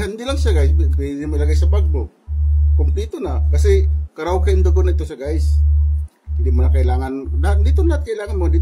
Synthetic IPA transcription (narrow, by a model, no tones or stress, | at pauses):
hand̪ilaŋʃaɡajɪsnɪmɐlɐɡajsɐpaɡ̚bo | komplit̪onakɐsɛkɐɾaokaɪnd̪oɡonaɪt̪ːosɐɡajs | hɪnd̪imonɐkɐɪlaːŋanlɐnd̪it̪onlɐhat̪̚kɐɪlaːŋanmoɪnd̪i